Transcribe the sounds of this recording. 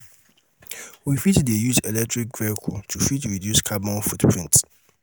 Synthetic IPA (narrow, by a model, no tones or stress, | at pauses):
wifitdejuzelɛk̚tɹik̚ɡɹɛkʰutʰufitɹidjuskʰabɔ̃nfutpʰɹĩnt